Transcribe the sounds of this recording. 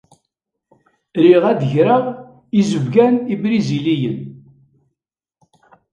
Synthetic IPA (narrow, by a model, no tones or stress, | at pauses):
ɾiʁæðəʝɾəʁ | izəvɡænibɾizilijən